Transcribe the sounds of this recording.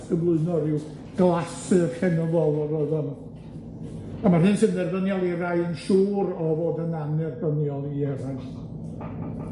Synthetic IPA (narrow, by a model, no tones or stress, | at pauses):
əblˠʊɨnɔɾɪw | ɡ̥lˠasɨrkɛnɔvɔlˠɔɾɔɨðɔn | amarhɨːnsəndɛrbənjɔlˠiɾajənʃuːɾɔvoːdənanɛrbənjɔlˠiɛɾajs